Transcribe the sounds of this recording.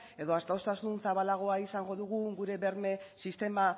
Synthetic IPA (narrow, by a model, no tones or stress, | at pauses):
e̞ðo̞ast̪awst̪asunsaβalaɣ̞o̞aisaŋɡo̞ðuɣ̞uɡuɾe̞βe̞ɾme̞sist̪e̞ma